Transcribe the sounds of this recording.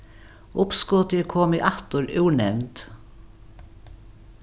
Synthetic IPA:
ʊpskɔːt̪ɪəkʰoːmɪʔaht̪ʊɾʉːɳɛʋnt̪

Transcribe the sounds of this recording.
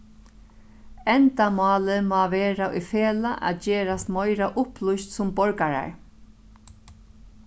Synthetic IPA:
ɛnt̪amɑːlɪmaːʋeːɾaʊjfeːlaʔa̰ðt͡ʃeːɾast̪mɔjɾaʔʊplʊjst̪sʊmbɔɹkaɾa̰ɹ

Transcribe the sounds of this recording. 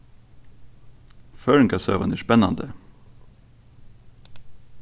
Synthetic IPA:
fœːɹəŋkʰɑsø̰ːʋɑ̰næːʂpɛnɑ̰nd̪ə

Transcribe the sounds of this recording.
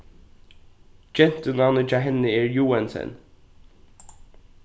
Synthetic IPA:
d͡ʒɛn̥t̪ənanət͡ʃaːɦɛnːəɛːɹjuːɛnsɛ̰n

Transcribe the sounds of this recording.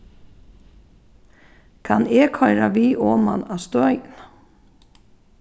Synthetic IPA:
kʰaneːkʰhɔjɾaʋiːʔɔːma̰nast̪œjn

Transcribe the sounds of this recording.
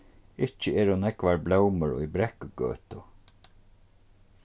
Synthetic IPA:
ɪt͡ʃːəɛːɾʊnɛkʋaɹblɛwməɾɔ̰jbɾɛhkɡø̰ːt̪ʊ

